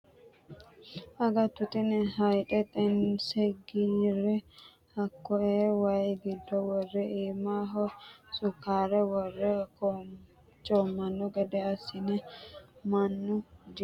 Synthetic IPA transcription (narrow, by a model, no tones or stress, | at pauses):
ʔɐɡɐt̪ːʊt̪ɪnɛɦɐjtɛt̪ʼɛnsɛɡiɾɛ | hɐkːɔɛwɐjɡɪd̪ːɔwɔrːɛiːmaːɦɔsʊkːaːɾɛwɔrːɛkɔ | t͡ʃʼɔmːɐnːɔɡɛd̪ɛɐsːɪnɛmɐnːʊd̪i